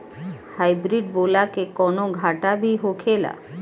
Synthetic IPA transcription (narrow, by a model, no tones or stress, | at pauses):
hajbɾiɖbolakekɔnoɡʱaʈabiɦokʰela̰